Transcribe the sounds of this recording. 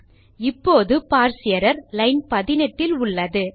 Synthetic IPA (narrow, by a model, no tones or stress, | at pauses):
ɪpːoːðɯpaːɾsɪjɐɾɐɾlɐɪnpɐðɪnɐʈːɪlʊɭːɐðɯ